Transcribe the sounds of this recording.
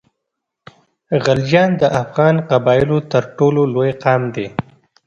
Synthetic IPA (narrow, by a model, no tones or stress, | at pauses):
ɣald͡ʒɑnd̪əʔafɣɑnqabɑɪlot̪əɾʈololojqɑmd̪e